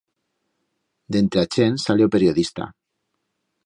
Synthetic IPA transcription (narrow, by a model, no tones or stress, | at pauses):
d̪ent̪ɾeat͡ʃensaleopeɾioðist̪a̰